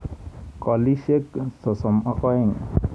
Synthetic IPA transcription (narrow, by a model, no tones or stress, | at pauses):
kɔliseksɔsɔmakɔeŋ